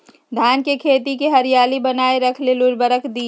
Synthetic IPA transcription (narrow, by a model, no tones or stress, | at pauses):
d̪ʱaːnkekʰeːt̪ikeɦɐɾijaːlibɐnaːeɾɐkʰlelʊɾbəɾəkʰd̪iː